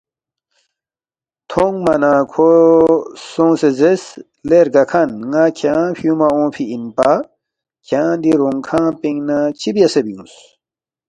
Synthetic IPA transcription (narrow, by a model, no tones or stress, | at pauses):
t̪ʰoŋmɐnãːkʰo | sõːsezes | leɾɡɐkʰɐnŋaːkʰjãːfiũmaõːfʰiinpa | kʰjãːd̪iɾoŋkʰãːpiŋnat͡ɕʰibijɐsebiũs